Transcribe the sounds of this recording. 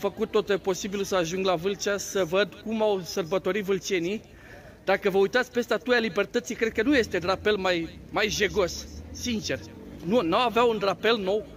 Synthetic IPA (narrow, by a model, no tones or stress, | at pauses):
fəkut̪̚ːo̞t̪epo̞sibilsəaʒuŋɡlavɨlt͡ʃasəvəd̪kumawsərbət̪o̞ɾit̪vɨlt͡ʃe̞ni | d̪akəvəujt̪at̪sʲpe̞st̪at̪ujalibe̞rt̪ət̪sikɾed̪̚kənuje̞st̪e̞rape̞lmajmajʒe̞ɡo̞ssint͡ʃe̞r | nunawaveaunrape̞lno̞w